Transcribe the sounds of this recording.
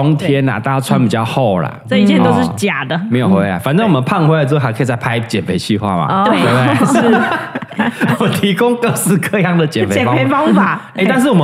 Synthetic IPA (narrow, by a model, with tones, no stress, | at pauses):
ɔ˥ŋt̪ʰjɛ˦na̰˨˩t̪a˥˩˥t͡sʰwa˦npi˨˩t͡ɕjɑ˥˧xo˥˩ʊlə̰˩sə˥˩i˧t͡ɕʰɛ˥˧˩t̪o˥ʂɻ̩˥˩t͡ɕja˨˩d̪ə˨me˧˥ɪjo˨˩xwe˥ɪa̰˨˩fa˨˩nʈ͡ʂɤ˥ŋwɔ˨˩mə˨˦npʰa˥˧ŋxwe˥la˧˩t͡s̩ː˥˧˥kʰə˥˨˩t͡sa˥˩ɪpʰa˥ɪt͡ɕjɛ˨˩nfʰe˧˥ɪt͡ɕʰy˥˧xwa̰˥˩ma̰˨˩twe˥˩˥t̪e˥ | wɔ˨˩mə˨˦nt̪ʰi˧˥kʊ˥˦ŋkɤ˥˧sɹ̩˥˧kɤ˥˧jɑ˥˩ŋd̪ə˩t͡ɕjɛ˨˩fe˥t͡ɕɛ˨˩˦pʰe˧˥ɪfɑ˥ŋfa˨˩˦ | e˥˩ɪt̪a˥˧nʂɻ̩˥˩wɔ˨˩mə˦